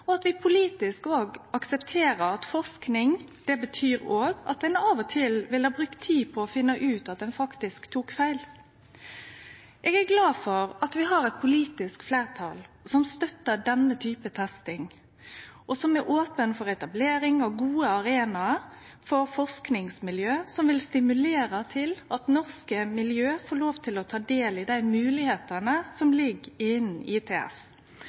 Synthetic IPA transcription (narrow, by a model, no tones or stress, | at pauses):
ɔɑt̪ʋɪpʰʊliːt̪ɪskoːɡɑksɛpt̪ʰeːɾəɾɑt̪fɔʁsknɪŋd̪ɛbət̪ʰyːɾoːɡɑ̰t̪̚d̪ɛnɑʋɔt̪ʰɪlʋɪləhɑːbɾʉkt̪ʰiːpʰɔːfɪnːəʔʉːt̪ɑt̪̚d̪ɛnfɑkt̪ɪskt̪ʰuːkfæɪl | ʔɛːɡæɾɡlɑːfɔɾɑt̪ʋɪɦɑɾɛt̪̚pʰʊliːt̪ɪskfleːʁt̪ʰɑ̰l | sɔmst̪œt̪ːəɖɛnət̪ʰyːpət̪ʰɛst̪ɪŋ | ʔɔsɔmæɾʔoːpənfɔɾɛt̪ɑbleːɾɪŋɑʋɡuːəɑɾeːnɑ | fɔɾfɔʁsknɪŋsmɪljøːsɔmʋɪlst̪ɪmʉleːɾət̪ʰɪlɑt̪nɔʁskəmɪljøːfoːɭoːʋt̪ʰɪlɔt̪ʰɑːd̪eːlɪd̪æɪmʉːlɪheːt̪ɑnəsɔmlɪɡɪnɪt̪ʰeːɛ̰s